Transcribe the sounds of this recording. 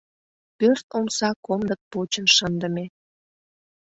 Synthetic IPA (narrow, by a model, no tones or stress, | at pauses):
pørt̪omsɑkomd̪ək̚pot͡ɕənʃənd̪əme